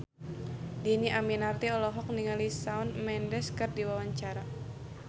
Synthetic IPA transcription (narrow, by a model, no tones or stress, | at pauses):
diniʔaminart̪iɔlɔɦɔk̚niŋalisaɔnmɛndɛskɨrdiwawaɲt͡ʃaɾa